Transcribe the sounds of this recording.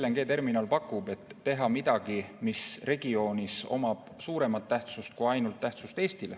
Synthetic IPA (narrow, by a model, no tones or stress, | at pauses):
lːeŋɡ̥e̞ːt̪e̞rminɑlpɑkːˑub̥e̞t̪ːe̞ɦɑmid̪̥ɑɡ̥imisre̞ɡ̥io̞ːnʲiso̞̰mɑb̥suːɾe̞mɑt̪ːæht̪sust̪̚kuɑjnult̪ːæht̪sust̪e̞ːst̪ile